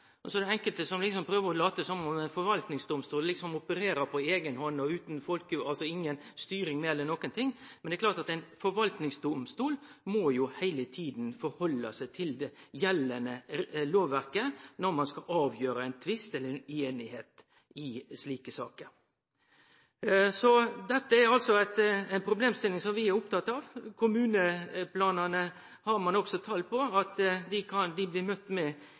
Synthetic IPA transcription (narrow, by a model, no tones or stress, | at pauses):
ɔsɔɛd̪ɛɛŋkəlt̪əsɔmlɪksɔmpʰɾøːʋəɾɔlɑːt̪əsɔmɔmæɪnfɔɾʋɑlt̪nɪŋsd̪ʊmst̪uːllɪksɔmʊpəɾeːɾəɾpʰɔeːɡənhɔnːɔʉːt̪n̩fɔlkəɑlsɔɪŋːənst̪yːɾɪŋmɛːɛlːənɔkːənt̪ʰɪŋːmɛnd̪ɛklɑːɾʈt̪ɑt̪æɪnfɔɾʋɑlt̪nɪŋsd̪ʊmst̪uːlmojʊhæɪlət̪ʰiːd̪nfɔɾhɔlːɑsæɪt̪ʰɪld̪ɛjɛlːənəloːʋːæɾkənɔɾmɑnskɑʔɑːʋjøːɾəæɪnt̪ʰʋɪst̪ɛləɾɛneːnɪheːt̪ | ɪsliːkəsɑ̰ːkəɾ | sɔd̪ɛt̪ːəæɾɑlsɔæt̪æɪnpʰɾʊbleːmst̪ɪlːɪŋsɔmʋɪæɾʊpt̪ɑt̪ːɑːʋkʰʊmʉːnəpʰlɑːnɑnə | hɑɾmɑnɔksɔt̪ʰɑːlpʰɔɑt̪d̪ɪkʰɑnd̪ɪbliːmœt̪ːmɛ